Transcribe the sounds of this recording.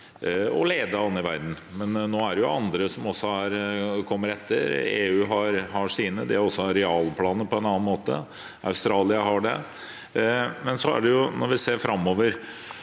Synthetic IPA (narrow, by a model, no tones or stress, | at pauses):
ɔ̰leːd̪ɑɑnɪʋæɾd̪n̩ | mɛnːoːæɖɛjʊɑnd̪ɾəsɔmɔsːɔɑɾkʰɔmːəɾɛt̪ʰːə̰ɾḛːʉːɦɑɾhɑʂiːnəd̪ɛɔsːɔɑɾɛɑːlpʰlɑːnəpʰɔɛnɑnːɑnmoːt̪ə̰ | ʔɑ̰ʉst̪ɾɑːlɪəɦɑɖɛ̰ | mɛnsɔæ̰ɖɛjʊnɔɾʋɪseːɾfɾʔɑmːoːʋəɾ